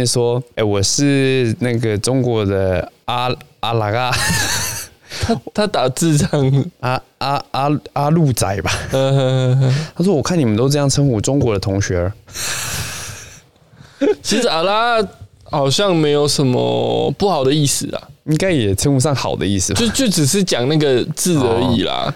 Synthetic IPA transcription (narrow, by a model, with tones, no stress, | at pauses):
nʂwɔ˥e˥˩ɪwɔ˨˩ʂɻ̩˥˧na˥˩ɡə˩ʈ͡ʂʊ˥ŋkwɔ˧˥d̪ə˧a˥a˧˩la˧˥a˥˦ | t̪ʰa˥t̪ʰa˦˥t̪a˨˩t͡sɹ̩˥˧ʈ͡ʂŋ˩a˥a˥a˥a˥lu˥˧t͡sa˨˩ɪba˨˦ə˥˧˥t̪ʰa˥ʂ̬wɔ˥wɔ˨˩kʰa˥˩ni˨˩mə˦nt̪o˥ʊʈ͡ʂ̬ɤ˥˧jɑ˥˩ŋʈ͡ʂʰə˥ŋxu˥˩ʈ͡ʂʊ˥ŋkwɔ˧˥˦d̪ə˧t̪ʰoʊ˧˥ŋɕɥɛ˧˥ə˧˦ | t͡ɕʰi˧˥ʂ̩˧a˨˩la˥a˥ | xɑ˨˩ʊɕjɑ˥˧ŋme˧˥ɪjo˨˩ʊʂə˨˩nmə̰˧pu˥˩xɑ˨˩ʊd̪ə˦i˥˩sɹ̩˨˩la̰˩i˦˥ŋka˥ɪjɛ˨˩ʈ͡ʂʰə˥nu˧˩ʂɑ˥˩ŋxɑ˨˩ʊd̪ə̰˦i˥˩sɹ̩˨˩t͡ɕo˥˧ʊt͡ɕjo˥˩ʊʈ͡ʂɻ̩˨˩ʂ̬ɻ̩˥˩t͡ɕjɑ˨˩ŋna˥˩ɡə˨˩t͡sɹ̩˥˨ə˧˥ḭ˨˩la̰˨